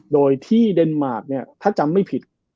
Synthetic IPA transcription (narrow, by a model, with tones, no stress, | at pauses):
doː˧jt̪ʰiː˥˩de˧nmaː˨˩t̪̚ni˥˩ɐt̪ʰaː˥˩t͡ɕa˧mːa˥˩jpʰi˨˩t̪̚